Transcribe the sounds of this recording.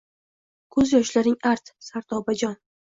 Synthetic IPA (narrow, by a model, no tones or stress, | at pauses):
kʰɵzjɒʃlaɾɪŋʔaɾt̪saɾt̪ʰɒbad͡ʒɒn